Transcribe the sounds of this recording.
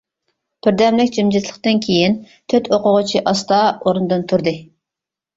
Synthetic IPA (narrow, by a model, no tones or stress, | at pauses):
b̥ɪɾd̪ɛmlɪkʲd͡ʒimd͡ʒit̪ʰlˠəqt̪ɨnkʲʰejin | t̪ʰøt̪ʰoqʰʊʁʊt͡ʃʰiʔɑst̪ɑoɾunɨd̪ɨnt̪ʰuɾd̪ɨ